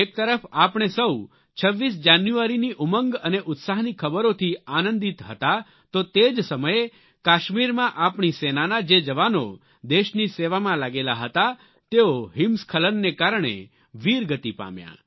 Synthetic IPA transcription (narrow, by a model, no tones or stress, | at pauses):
ek̚t̪əɾəfapɳ̃esəu | t͡ʃʰəʋːisd͡ʒanjuaɾiniʔʊməŋɡəneʔʊt̪saɦnikʰəbəɾot̪ʰianənd̪it̪ɦə̰t̪a | t̪ot̪ed͡ʒsəməje | kaʃmiɾmãʔapɳisenanad͡ʒed͡ʒəʋano | d̪eʃniseʋamãlaɡela̰ɦət̪a | t̪eoɦɪmskʰələnːekaɾɳ̃ḛ | ʋiɾɡət̪ipa̰mja̰